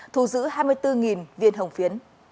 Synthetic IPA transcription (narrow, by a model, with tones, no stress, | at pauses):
t̪ʰu˨˧˩zɨ̰˧˥haː˧jmɨ˧əjt̪ɨ˧ŋi˨˩nvḭ˧ənɦə˨˩wŋ͡mfi˨˦ən